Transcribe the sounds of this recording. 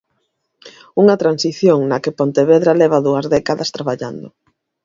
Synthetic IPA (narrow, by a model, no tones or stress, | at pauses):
uŋɐt̪ɾansiθjoŋnɐkepont̪eβeðɾalɛβ̞aðuɐzðɛkaðɐst̪ɾaβaʎa̰nd̪ʊ